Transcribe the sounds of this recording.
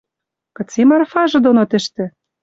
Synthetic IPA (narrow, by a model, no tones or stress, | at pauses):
kɤ̆t͡semɑrfɑʒɤ̆d̪onot̪ɘ̆ʃt̪ɘ̆